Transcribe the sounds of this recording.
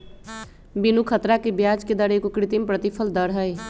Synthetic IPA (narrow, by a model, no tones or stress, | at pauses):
binukʰət̪ɾakebjad͡ʒked̪əɾəkokɾit̪impɾət̪ipʰəld̪əɾɦəj